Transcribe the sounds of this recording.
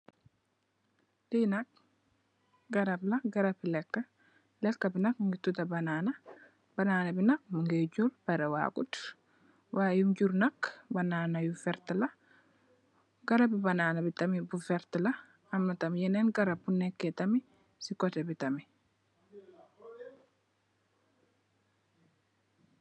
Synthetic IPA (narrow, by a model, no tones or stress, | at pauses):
tinɐk̚ | ɡɐɾɐblɐɡɐɾɐpːilɛkːɐ | lɛkːɐbinɐkŋɡit̪utɐbɐnaːnɐ | bɐnaːnɐbinɐk̚muŋɡed͡ʒuɾpɛɾɛwa̰ːkut | waːjumd͡ʒuɾnɐkbɐnaːnɐjufɛɾt̪ɐlɐ | ɡ̥ɐɾɐbibɐnaːnɐbit̪ɐmibufɛɾt̪ɪlɐː | mːɐt̪ɐmjɛnɛnɡɐɾɐpːunːɛkːɛt̪ɐmi | sikɔt̪ɛbit̪ɐmi